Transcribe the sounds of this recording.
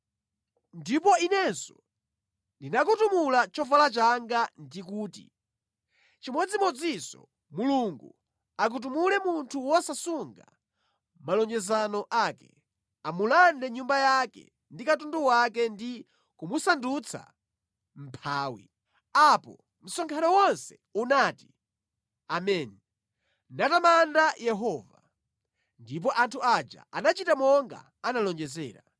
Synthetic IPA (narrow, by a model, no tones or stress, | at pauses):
ndipɔinɛnsɔ | ndinakutumulat͡ʃɔvalat͡ʃaŋɡandikuːtḭ | t͡ʃimɔd͡zimɔd͡zisɔ̰ | muluŋɡu | ak̬ut̬umulɛmuntʰuwɔsasuŋɡa̰ | malɔɲd͡ʒɛzanɔʔaːkɛ̰ | amulandɛɲumbajakɛ̰ | ndikatunduwakɛndi | kumusandut͡sʰa̰ | m̩pʰaːwḭ | apɔ̰ | m̩sɔŋkʰanɔwɔnsɛ | unati̥ | amɛːnɛ | natamandajɛɦɔːva̰ | ndip̬ɔʔantʰuad͡ʒa̰ʔanat͡ʃitamɔŋɡa̰ | analɔnd͡ʒɛzɛ̰ːɾa